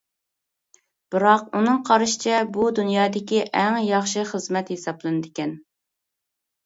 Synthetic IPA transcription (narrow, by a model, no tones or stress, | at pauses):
b̥ɨɾɑqunɨŋqʰɑɾɨʃi̥t͡ʃʰɛbud̪unjɑːd̪ɪkʲiʔɛŋjɑχʃɨχəzmɛt̪hesɑblˠɨnɨd̪ɪkʲɛn